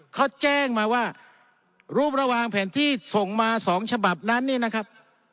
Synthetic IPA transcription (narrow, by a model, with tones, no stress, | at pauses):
kʰɔ˦˥˩t͡ɕɛː˥˩ŋmaː˧waː˥˩ | ɾuː˥˩p̚ɾa˧wa˧ŋpʰɛː˨˩˦nt̪ʰiː˥˩so˨˩ŋmaː˧sɔː˩˦ŋt͡ɕʰa˧ba˨˩p̚na˦˥nːiː˥˩na˦˥kʰa˦˥p̚